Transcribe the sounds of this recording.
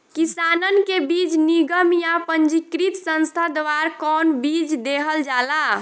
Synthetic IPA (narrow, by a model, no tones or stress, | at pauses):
kisanənkebid͡ʒniɡəmjapənd͡ʒikɾit̪sə̃nst̪ʰad̪ʋaɾkɔnbid͡ʒd̪eɦəld͡ʒala